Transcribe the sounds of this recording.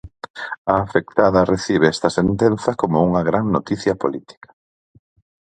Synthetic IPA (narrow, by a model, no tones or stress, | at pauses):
ɐːfekt̪aðɐreθiβ̞eɛst̪ɐsent̪en̟θɐkomouŋɐɣɾaŋnot̪iθjɐpolit̪i̥kɐ̥